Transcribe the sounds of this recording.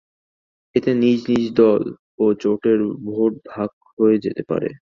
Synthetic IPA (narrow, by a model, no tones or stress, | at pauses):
et̪enid͡ʑnid͡ʑd̪ɔl | ot͡ɕoʈeɾbʱoʈ̚bʱak̚ | ɦoed͡ʑet̪epa̰ɾḛ